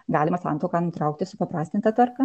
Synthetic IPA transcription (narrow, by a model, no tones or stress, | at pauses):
ɡɑːlʲɪmɐsɑ̰nt̪oːkɑnʊt̪ɾɐʊk̚t̪ʲɪsʊpɐpɾɑːsʲt̪ʲɪnt̪ɐt̪ɐrkɐ